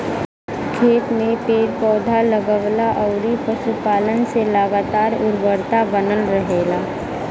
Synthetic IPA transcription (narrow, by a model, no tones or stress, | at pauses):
kʰeːt̪mẽpeːɾpɔːd̪ʱaləɡəʋlaʔɔːɾipəʃupaːlənselaɡaːt̪aːɾʊɾbəɾt̪abənəlɾəɦeːlaː